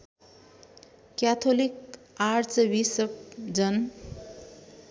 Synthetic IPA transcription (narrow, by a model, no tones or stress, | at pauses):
kjat̪ʰolik | art͡sʌwisʌp̚d͡zʌn